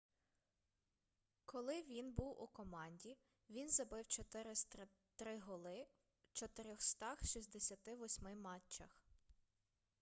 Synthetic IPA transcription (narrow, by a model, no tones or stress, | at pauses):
kʰɔlˠɪʋʲinbuwʔṵkɔmɑnʲdʲi | ʋʲinzɐbɪwt͡ʃɔt̪ɪɾɪs | t̪ɾɪɦɔlˠɪ | t͡ʃɔt̪eɾʲɔxst̪ɑxʃizʲd̪esʲɐt̪ɪʋɔsʲmɪmɑt͡ʃːɐx